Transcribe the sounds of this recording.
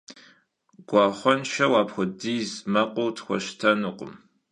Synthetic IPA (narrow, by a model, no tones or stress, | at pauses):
ɡ̥ʷɑːχʷɔnʃɐwaːpxʷʊdiːzmɐqʷʼʊwtʰxʷɔ̰ʃtʰɐnuqʷʼʊ̰m